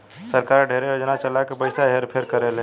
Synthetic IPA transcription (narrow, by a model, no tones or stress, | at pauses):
səɾkaːɾɖʱeːɾejoːd͡ʒnat͡ʃəlakepəɪsaɦeɾpʰeɾkəɾelẽ